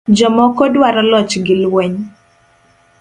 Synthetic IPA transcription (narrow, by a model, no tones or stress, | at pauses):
d͡ʒɔmɔkɔdwaɾɔlɔt͡ʃɡɪlwɛɲ